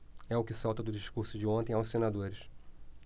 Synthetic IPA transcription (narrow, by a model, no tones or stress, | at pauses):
ɛʊkɪsawt̪ɐd̪ʊd͡ʒiʃkuɾsʊd͡ʒɪõnt̪ẽawʊsenad̪oɾɪʃ